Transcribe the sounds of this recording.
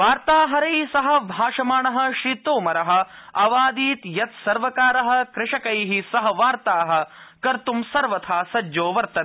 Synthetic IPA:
ʋaːɾt̪aːɦɐɾɐjsɐɦɐ̆bʱaːʂɐmaːɳɐɦɐ̆ʃɾiːt̪oːmɐɾɐɦɐ̆ɐʋaːd̪iːt̪jɐt̪sɐɾʋɐkaːɾɐɦɐ̆kɾɪʂɐkɐjɦisɐɦɐʋaːɾt̪aːɦɐ̆kɐɾt̪umsɐɾʋɐt̪ʰaːsɐd͡ʒːoːʋɐɾt̪ɐ

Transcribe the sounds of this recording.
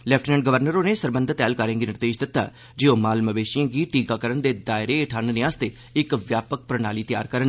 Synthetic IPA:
lɛːp̚ʰʈʰːnɛ̃ːɳɖ̚ɡəʋəɾnəɾoːneːsəɾbənd̪ət̪ɛːlkəɾə̃ːɡiːnɪɾd̪eːʃd̪ɪt̪ːa̰ː | d͡ʒeːoːmaːlməʋeːʃijãːɡiːʈiːkaːkəɾənd̪eːd̪aːɪɾeːɪʈʰaːnneːaːst̪eː | ɪkʋjaːpək̚pɾənaːliːt̪ɪja̰ːɾkəɾən

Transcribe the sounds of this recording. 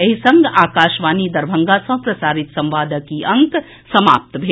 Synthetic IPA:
ɐɦisɐ̃ŋɡaːkaːʃʋaːnid̪ɐɾbʱə̃ŋɡasɐ̃ɦpɾɐsaːɾɪt̪sɐ̃mʋaːd̪əkiʔɐ̃ŋk | sɐma̰ːp̚t̪bʱe

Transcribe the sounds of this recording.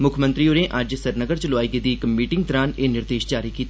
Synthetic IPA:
mʊkʰmə̃nt̪ɾioːɾẽːʔɐd͡ʒsəɾnəɡəɾt͡ʃəloaːiɡed̪iːkmiːʈɪ̃ŋɡ̚t̪ɔɾaːneːnɪɾd̪eːʃd͡ʒaːɾiːkiːt̪aː

